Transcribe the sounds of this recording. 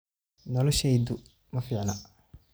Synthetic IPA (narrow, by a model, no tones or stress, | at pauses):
nɔlɔʃɛjd̪ʊ | mɐfiːʕnɐ